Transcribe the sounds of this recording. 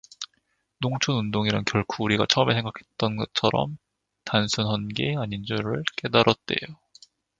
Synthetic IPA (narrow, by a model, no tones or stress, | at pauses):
noŋt͡ɕʰonundoŋiɾankjʌɭkʰuːɾiɡa̰t͡ɕʰʌmesʰe̞ŋɡakʰe̞t̚t͈ʌnɡʌt͡ɕʰʌɾʌ̰m | tansʰunɦʌnɡeaɲind͡ʑoɾɯɭk͈e̞daɾʌt̚t͈e̞̰jo